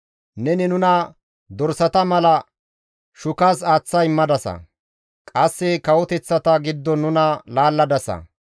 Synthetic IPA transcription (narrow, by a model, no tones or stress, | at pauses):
nɛnɪnʊnɐ | d̪ɔɾsɐt̪ɐmɐlɐ | ʃʊkasaːt͡sːɐjmːɐd̪ɐsɐ̰ | kʼɐsːɪkɐwɔt̪ɛt͡sːɐt̪ɐɡɪd̪ːɔnːʊnɐlaːlːɐd̪ɐsɐ̰